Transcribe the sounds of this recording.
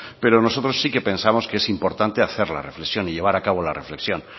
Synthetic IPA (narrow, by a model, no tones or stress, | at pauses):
pe̞ɾono̞so̞t̪ɾo̞sːike̞pẽ̞nsamo̞skeesimpo̞ɾt̪ant̪e̞aθe̞ɾla̰re̞fle̞ksjo̞niʎe̞β̞aɾakaβo̞lare̞fle̞ksjo̞n